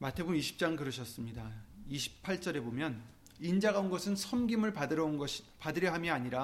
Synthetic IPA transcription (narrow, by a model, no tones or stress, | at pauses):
matʰe̞bumiɕʰi̥p̚t͡ɕ͈aŋkɯɾɯɕʰʌs͈ɯmɲidaiɕʰi̥pʰːaɭt͡ɕ͈ʌɾe̞bomjʌn | ind͡ʑaɡaonɡʌsʰɯnsʰʌmɡimɯɭpadɯɾʌnɡʌɕpadɯɾjʌɦamjʌaɲiɾa